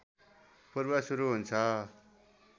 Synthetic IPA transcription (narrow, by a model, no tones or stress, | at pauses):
pʌɾbasuɾuɦunt͡sʰʌ